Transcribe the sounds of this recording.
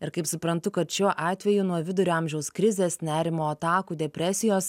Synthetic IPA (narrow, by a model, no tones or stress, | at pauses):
ɪɾkɐɪpsʊpɾɐnt̪ʊkɐt̪ʃʲuːʔɑːt̪ʲʋʲɛjunuɔʋʲɪd̪ʊɾʲoːɐmʲʒʲɛʊskɾʲɪzʲeːsnʲæːɾʲɪmoːɐt̪ɑːkuːd̪ʲɛpʲɾʲæsʲɪjoːs